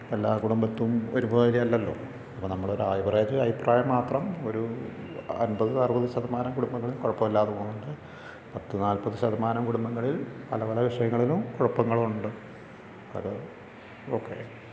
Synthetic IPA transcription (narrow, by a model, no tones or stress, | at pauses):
elːaːkuɽumbɐt̪ːumo̞ɾubɐðɐɾiɐlːɐlːo̞̰ː | ɐpːonɐmːɐɭo̞ɾuaːjbreːd͡ʑɨɐʋipraːjɐmːaːt̪rɐmo̞ɾu | ɐ̰nbɐðɨsɐrbɐðɨɕɐðɐmaːnɐmkuɽumbɐŋːɐɭilkoɻɐpːɐmilːaːðuoːnːuɳɖɨ | pɐt̪ːinaːlpɐðɨɕɐðɐmaːnɐmkuɽumbɐŋːɐɭilpɐlɐpɐlɐʋiʂɐjɐŋːɐɭilumkoɻɐpːɐŋːɐɭuɳɖɨ | ɐ̰ðɨ | okːe̞̰